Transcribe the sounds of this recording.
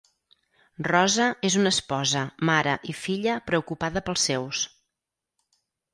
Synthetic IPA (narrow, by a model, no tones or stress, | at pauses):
rɔzəʔezunəspɔzəmaɾəʔifiʎəpɾəukupaðəpəlˠsːews